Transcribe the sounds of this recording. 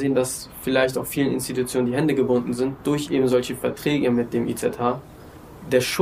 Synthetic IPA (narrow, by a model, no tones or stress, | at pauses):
zeːəndasfɪlaɪçtaʊfiːlənɪ̰nstitut͡sjoːnəndiːɦɛndəɡəbʊndn̩zɪnt̚d̥ʊɐçʔeːbm̩zɔlçəfɛɐtʁ̥ɛːɡəmɪt̚d̥eːmʔḭt͡sɛtʰhaː | d̥eːɐʃʊ